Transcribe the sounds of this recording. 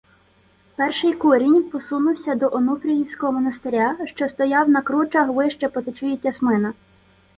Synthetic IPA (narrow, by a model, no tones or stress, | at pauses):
pɛrʃɪjkuɾʲinʲpɔsunʊwsʲɐd̪ɔʔɔnup̪ɾʲijiwsʲkɔɦɔmɔnɐst̪eɾʲaʃt͡ʃɔst̪ɔjɑwnɐkɾut͡ʃɐɦʋɪʃt͡ʃɛpɔt̪ɪt͡ʃujɪtʲːɐsmɪnɐ